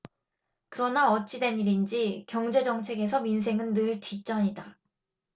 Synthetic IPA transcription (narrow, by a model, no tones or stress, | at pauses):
kɯɾʌnaʌt͡ɕ͈idwe̞niɾind͡ʑikjʌŋd͡ʑe̞d͡ʑʌŋt͡ɕʰe̞ɡe̞s̬ʰʌmins̬ʰe̞ŋɯnːɯɭtɥit͡ɕ͈ʌɲida